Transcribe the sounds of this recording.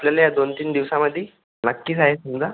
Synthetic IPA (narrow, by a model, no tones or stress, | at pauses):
apljalajad̪ont̪iːnd̪iʋsaməd̪ʱːi | nəkːiːt͡saɦesumd͡za